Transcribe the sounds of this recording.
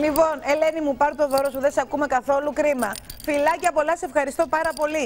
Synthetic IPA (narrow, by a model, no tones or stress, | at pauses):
lipo̞ne̞lenimupɐɾt̪o̞ðo̞ɾosuðesɐkume̞kɐθo̞lukɾimɐfilɐcɐpo̞lɐssefxɐɾist̪o̞pɐɾɐpo̞li